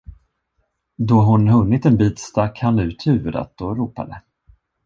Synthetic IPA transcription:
d̪ɔɦʊnɦɵnːɪt̪ɛnbiːt̪st̪akhanʉ̟ːt̪ʰhʉ̟ːɾa̰t̪ɔɾuːpa̰d̪ə

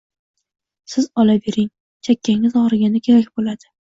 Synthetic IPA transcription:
sɪzɒlabe̞ɾɪŋ | t͡ʃʰakʲʰːaŋɪzɒɾɪɡʲanɪkʲʰe̞ɾak̚ʲbolad̪̥ɪ

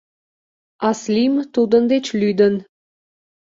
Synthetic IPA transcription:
ɑslimt̪ud̪ə̆nd̪et͡ɕlyd̪ə̆n

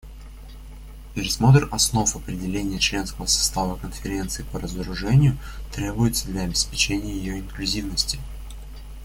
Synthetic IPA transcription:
pʲɪɾʲɪsmo̞t̪ɾrɐsno̞fɐpɾʲɪdʲɪlʲenʲɪjət͡ɕlʲe̞nskəvəsɐ̥st̪avəkənfʲɪɾʲe̞nt̪sɨɪpəɾəzəɾʊʐɛnʲɪjʊ | t̪ɾʲe̞bʊjɪt̪səd̪lʲɐɐbʲɪspʲɪt͡ɕenʲɪjəjɪjoɪnklʲʉzʲivnəsʲtʲɪ̥

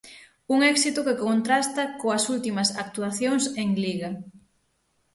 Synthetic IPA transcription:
uŋɛksit̪ʊkekont̪ɾast̪ɐkoɐsult̪imɐsak̚t̪uaθjoŋseŋliɣɐ

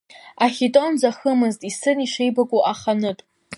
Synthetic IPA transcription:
aχʲitʼo̞nd͡zaχəmɨztʼisɨniʂejbakʷʼuʔaχanɨtʼ

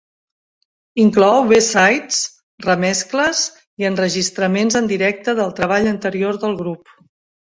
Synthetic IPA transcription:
iŋklɔwβesajt͡s | rəmɛskləz | iənrəʒist̪ɾəmenzənd̪iɾɛk̚t̪əðəlˠt̪ɾəβ̞aʎənt̪əɾioɾðəlˠɣɾup

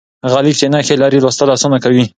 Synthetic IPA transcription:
ɣɑlit͡ʃenɑxelaɾilwost̪alɑsunakawi

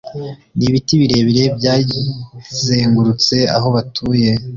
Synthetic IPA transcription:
niβitiβiɾe̞βiɾe̞bjaː | ze̞ːŋɡuɾut͡se̞a̰ɦo̞βatʰuːje̞

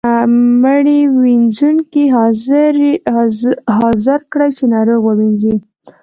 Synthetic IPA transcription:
məɽiwind͡ʒunkiɦzɾ | ɦɑzɪɾkɽajt͡ʃenɑɾoɣwəwind͡ʒi

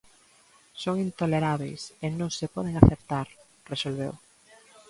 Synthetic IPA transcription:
soŋint̪oleɾaβḛjsenõŋsepɔð̞eŋaθept̪aɾ | resolβḛw

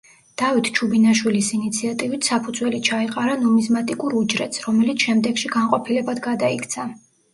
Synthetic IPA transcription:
d̪̥avit̪ʰt͡ʃʰubinaʃwilisinit̪sʰiat̪ʼivit̪ʰsapʰud̪zwɛlit͡ʃʰaiqʼaɾanɔmizmat̪ʼikʼuɾud͡ʒɾɛt̪sʰɾɔmɛlit̪sʰʃɛmd̪ɛɡ̥ʃiɡanqʼɔpʰilɛbad̪ɡad̪aikʰt̪sʰa

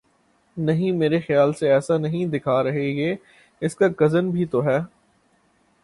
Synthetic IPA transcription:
nɐɦĩmeːɾexjaːlseɛːsanɐɦĩd̪ɪkʰaɾɐɦeɦeː | ɪskaɡɐzənbʱit̪oɦɛː

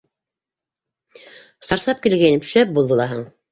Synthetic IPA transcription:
sɑɾsɑp̚kilɡæjnɘpɘ̥̆ʃæp̚bulˠd̪ɤ̆lˠɑɦɤɴ

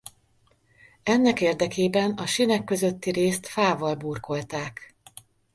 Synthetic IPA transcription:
ɛnːɛkeːrd̪ɛkeːbɛnɒʃinɛkːø̞zøt̪ːiɾeːst̪faːvɒlbuːrko̞lt̪aːk

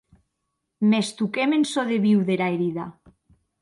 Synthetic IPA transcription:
mest̪ukemensoðeβiwðeɾaeɾiða

